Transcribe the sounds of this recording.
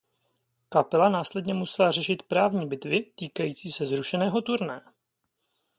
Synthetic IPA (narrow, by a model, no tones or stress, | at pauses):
kapɛlanaːslɛdɲɛmusɛlar̝ɛʃɪt̪pɾaːvɲiːbɪt̪vɪt̪iːkajiːt͡siːsɛzɾuʃɛnɛːɦo̞t̪uɾnɛ